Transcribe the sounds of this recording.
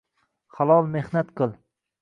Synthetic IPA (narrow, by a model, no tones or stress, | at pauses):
χalˠɒlˠmehnat̪qʰɨlˠ